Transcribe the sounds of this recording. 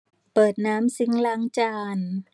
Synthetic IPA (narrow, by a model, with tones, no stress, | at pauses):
pɤː˨˩t̪̚naː˦˥msi˧˦ŋlaː˧˦˥ŋt͡ɕaː˧n